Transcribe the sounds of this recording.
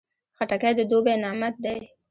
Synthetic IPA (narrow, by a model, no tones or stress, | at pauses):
xaʈakajd̪əd̪obenɑmat̪̚d̪ej